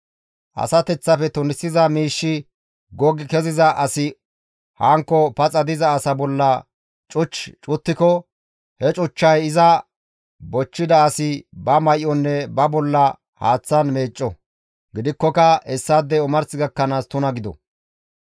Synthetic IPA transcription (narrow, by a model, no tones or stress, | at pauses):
ʔɐ̰sɐt̪ɛt͡sːɐfɛt̪ʊnɪsːɪzɐmiːʃːɪ | ɡɔɡɪkɛzɪzɐʔɐsɪ | hɐŋkːɔpɐt͡sʼɐd̪ɪzɐːsɐbɔlːɐ | t͡ʃʼʊt͡ʃːt͡ʃʼʊt̪ːɪkɔ | hɛt͡ʃʼʊt͡ʃːɐjɪzɐ | bɔt͡ʃːɪd̪ɐːsɪbɐmɐjʔɔnːɛbɐbɔlːɐ | ha̰ːt͡sːɐnme̞ːt͡ʃʼːɔ | ɡɪd̪ɪkːɔkɐɛsːɐd̪ːɛʊmɐɾsɪɡɐkːɐnaːst̪ʊnɐɡɪd̪ɔ̰